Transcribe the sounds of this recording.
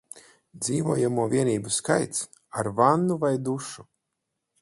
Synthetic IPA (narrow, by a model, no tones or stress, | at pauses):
d̪ziːvuɔjamuɔvʲiɛniːbuskajt̪s | aɾvanːuvajd̪uʃu